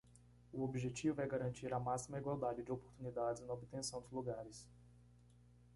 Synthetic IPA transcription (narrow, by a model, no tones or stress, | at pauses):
ʊobiʒet͡ʃivʊɛɡaɾɐ̃nt͡ʃiɾɐmasimɐiɡwawd̪ad͡ʒɪd͡ʒɪopoɾt̪unid̪ad͡ʒɪznɐobɪt̪ẽsɐ̃w̃d̪ʊzluɡaɾɪs